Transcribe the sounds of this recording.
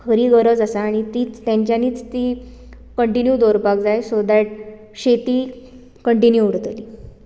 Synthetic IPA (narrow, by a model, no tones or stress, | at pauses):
kʰəɾiːɡəɾəd͡zasaːɽ̃it̪iːt͡st̪jãɲt͡ɕjaniːt͡st̪iː | kəɳʈinjud̪oɾpakd͡zajsod̪aʈ̚ | ɕet̪iː | kəɳʈinjuuɽ̤t̪liː